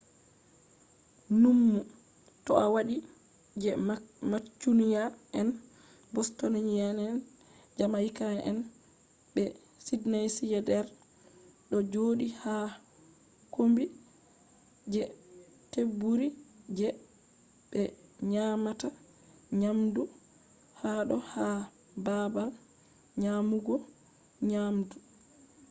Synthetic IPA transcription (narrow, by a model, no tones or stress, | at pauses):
numːu | tɔawaɗi | d͡ʒɛmat͡ʃːunijaɛn | bɔstɔnaɲijanɛn | d͡ʒamaikanɛʔɛ̰n | ɓɛ | sidnajsijɛdɛɾ | ɗɔd͡ʒoːɗiha | kombi | d͡ʒɛ | tebːuɾid͡ʒɛ | bɛɲamata | ɲamdu | haɗɔha | babal | ɲamuɡɔ | ɲamdu